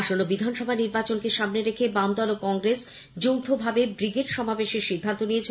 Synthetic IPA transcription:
ʃonobid̪ʱanʃɔbʱaniɾbat͡ɕonkeʃamneɾekʰebamd̪ɔlokɔŋɡɾes | d͡ʑowt̪ʰobʱabebɾiɡeʈʃɔmabeʃeɾʃid̪ʱːant̪onijet͡ɕʰ

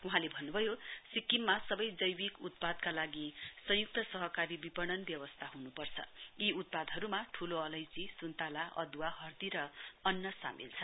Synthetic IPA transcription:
uɦãlebʱʌnːubʱʌjosikːimːasʌbʌjd͡zʌjwikut̪̚pad̪kalaɡisʌ̃juk̚t̪ʌsʌɦʌkaɾibipʌɽ̃ʌnbjʌwʌst̪ʰaɦunupʌrt͡sʰʌ̰iut̪̚pad̪ɦʌɾumaʈʰuloʌlʌjt͡sisunt̪alaʔʌ̰d̪waɦʌrd̪iɾʌʌnːʌsa̰mḭlt͡sʰʌ

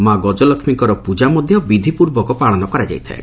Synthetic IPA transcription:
maɡɔd͡ʒɔlɔkʰmikɔɾɔpud͡ʒamɔd̪ʱjɔbid̪ʱipuɾbɔkɔpaɭ̃ɔnɔkɔɾad͡ʒa̰jt̪ʰa̰e

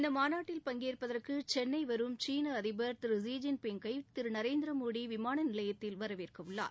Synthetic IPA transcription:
ɪnd̪ɐmaːnaːʈːɪlpɐŋɡeːrpɐðɐrkɯt͡ʃɛnːɐɪʋɐɾɯmt͡ʃiːnɐɐðɪbɐɾt̪ɪɾɯs̬iːd͡ʒɪnpɛŋɡɐɪt̪ɪɾɯnɐɾeːnd̪ɪɾɐmoːɽiʋɪmaːnɐnɪlɐjɐt̪ːɪlʋɐɾɐʋeːrkɐʋʊɭːa̰ːɾ

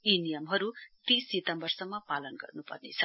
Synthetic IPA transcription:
inijʌmɦʌɾut̪isːit̪ʌmbʌrsʌmːʌpalʌnɡʌ̰rnupʌ̰rnet͡sʰʌ̥

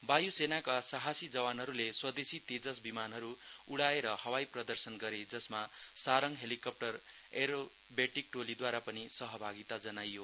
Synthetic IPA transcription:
bajusenakasaɦasid͡zʌwanɦʌɾuleswʌd̪esit̪ed͡zʌsbimanɦʌɾuuɽaeɾʌhʌwajprʌd̪ʌrsʌnɡʌɾed͡zʌsmasaɾʌŋɦelikʌp̚ʈʌr | eɾo | beʈik̚ʈolid̪waɾapʌnisʌɦʌbʱaɡit̪ad͡zʌnajːo

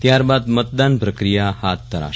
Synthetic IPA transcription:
t̪jaɾbad̪mət̪̚d̪anpɾəkɾijahat̪ːəɾa̰

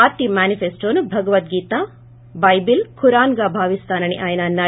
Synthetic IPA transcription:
aːt̪imaːnipʰeːsʈoːnubʱɐɡɐʋɐt̪̚ɡiːt̪aː | bɐjbilkʰuɾaːnɡaːbʱaːʋist̪ʰaːnɐɳiʔaːjɐnaːnːaː

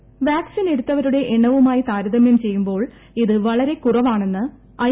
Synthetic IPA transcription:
ʋjaːksine̞ɽut̪ːɐʋɐɾuɽe̞ʔeɳːɐʋumaːjit̪aːɾɐðɐmjɐmt͡ɕe̞jːumbo̞ːɭ | iðɨʋɐɭɐɾe̞kurɐʋaːɳe̞nːɨ | ɐ

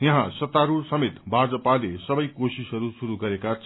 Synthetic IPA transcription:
jʌ̃ɦãsʌt̪aɾusʌmet̪bʱad͡zʌpalesʌbʌjkosisɦʌɾusuɾuɡʌɾekat͡sʰ

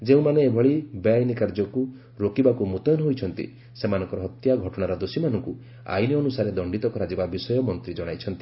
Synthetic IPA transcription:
d͡ʒeũmaneːbʱɔɭibeajnikaɾd͡ʒɔku | ɾokibakumut̪ɔjnɔɦojt͡ʃʰɔnt̪ḭ | semanɔŋkɔɾɔɦɔt̪jaɡʱɔʈɔɽ̃aɾɔd̪osimanɔŋku | a̰jniɔnusaɾed̪ɔɳɖit̪ɔkɔɾad͡ʒibabisɔjɔmɔnt̪ɾid͡ʒɔɽ̃ajt͡ʃʰɔnt̪i̥

